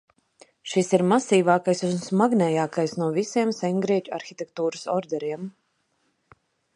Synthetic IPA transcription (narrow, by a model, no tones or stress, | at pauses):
ʃisiɾmasiːvaːkajsunsmaɡnɛjaːkajsnuɔvisiɛmsɛŋɡɾiɛt͡ʃua̰ɾxʲit̪ʲɛk̚t̪uːɾɨsɔɾd̪ɛɾiɛm